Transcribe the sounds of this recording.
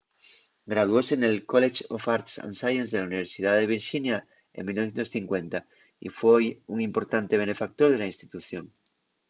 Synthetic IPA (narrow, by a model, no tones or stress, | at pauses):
ɡɾað̞uo̞senelkolet͡ʃofaɾt̪sã̰nsajenzðelauniβ̞e̞ɾsið̞aðeβ̞iɾʃinja | ḛŋmilnoθjent̪osθiŋkwent̪a | ḭfwejuŋimpo̞ɾt̪ant̪eβ̞e̞ne̞fak̚t̪oɾð̞elainst̪it̪uθjoŋ